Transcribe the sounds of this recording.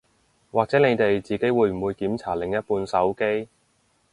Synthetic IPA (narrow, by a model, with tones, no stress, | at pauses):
waː˨k̚t͡sɛː˨˥ne˨˧jt̪e˨jt͡siː˨˩ke˨˥jwuː˨˧jm̩˨˩wuː˨˧jkiː˨˥mt͡sʰaː˨˩lɪ˨ŋjɐ˥t̚puː˧nsɐ˨˥wke˥j